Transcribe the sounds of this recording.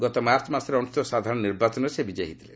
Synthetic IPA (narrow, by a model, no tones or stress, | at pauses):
ɡɔt̪ɔmaɾt͡ʃɔmasɔɾeɔnust̪ɔsad̪ʱaɾɔ̃ɽ̃ɔniɾbat͡ʃɔnɔɾesebid͡ʒeɦit̪ʰile